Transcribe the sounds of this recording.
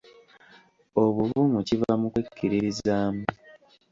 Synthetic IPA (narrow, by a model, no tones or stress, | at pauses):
o̞βuvuːmucivamukwekʰːiɾiɾizaːmu